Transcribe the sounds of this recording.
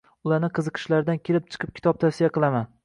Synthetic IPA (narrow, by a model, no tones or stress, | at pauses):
ʊlaɾnɪqʰɨzɨqʰɨ̥ʃlaɾd̪ankʲʰelɪp̚t͡ʃʰɨ̥qʰɨp̚kʲʰɪ̥t̪ɒp̚t̪ʰafsijaqɨlˠaman